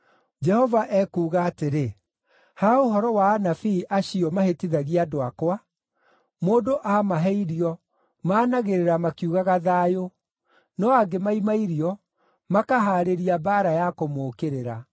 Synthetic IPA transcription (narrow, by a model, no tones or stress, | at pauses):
d͡ʒɛhɔvaʔɛkuːɣaːteɾe | haoɦɔɾɔwanafiːʔaɕiɔmahetiðaɣiadoakwa | moːdoʔamaɦɛiɾiɔ | maːnaɣeɾeɾamakiuɣaɣaðaːjo | nɔaɡemaimaiɾiɔ | makaɦaːɾeɾiabaːɾajakomoːkeɾeɾa